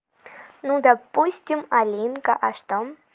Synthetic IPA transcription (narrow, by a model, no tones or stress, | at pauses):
nud̪ɐpusʲtʲɪmɐlʲinkɐʔɐʂt̪om